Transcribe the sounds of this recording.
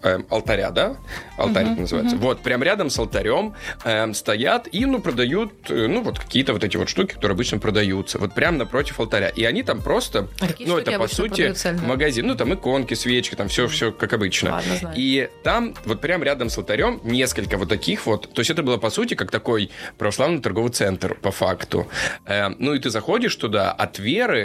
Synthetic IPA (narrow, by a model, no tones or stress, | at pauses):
ə̰ɐ̰lˠt̪ɐɾʲa̰d̪aɐ̰lˠt̪aɾʲnəzɨva̰ɪt̪səvo̞t̪̚pɾʲamɾʲad̪əmsəlˠt̪ɐɾʲo̞məst̪ɐjat̪inupɾəd̪ɐjut̪̚ːnuvo̞t̪kɐ̥kʲijət̪əvo̞t̪ɛtʲɪvo̞t̪ʂt̪ukʲɪ̥kɐ̥t̪o̞ɾɨɐbɨt͡ɕnəpɾəd̪ɐjut̪səvo̞t̪̚pɾʲamnɐpɾo̞tʲɪfəlˠt̪ɐɾʲa̰ʔiɐnʲit̪ampɾo̞st̪ənuɛt̪əpɐsutʲɪməɡɐzʲinnut̪amɨko̞nkʲɪsvʲet͡ɕkʲɪ̥t̪amfsʲofsʲokakɐbɨt͡ɕnə̰it̪amvo̞t̪̚pɾʲamɾʲad̪əmsəlˠt̪ɐɾʲo̞mnʲe̞skəlʲkəvo̞t̪ːɐkʲixvo̞t̪ːo̞ɪsʲɛt̪əbɨlˠapɐsutʲɪkakt̪ɐko̞jpɾə̰vɐslˠavnɨjt̪ɐrɡo̞vɨt̪sɛnt̪rpɐfa̰kt̪ʊ̰anuɪt̪ɨzɐxo̞dʲɪʂt̪ʊd̪a̰ʔɐ̰t̪vʲeɾɨ